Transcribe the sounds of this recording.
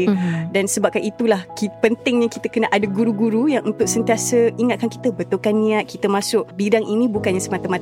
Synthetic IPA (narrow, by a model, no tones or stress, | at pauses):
dansəbap̚kaʔit̪ulahkipənt̪ɪŋɲãkit̪əkənəʔadaɡuɾuɡuɾujaŋunt̪ʊʔ̚sənt̪iasəiŋat̪̚kanki̥t̪əbət̪ukanːĩat̪̚kit̪əmasʊʔ̚bidaŋʔinĩbukanɲasəmat̪amat̪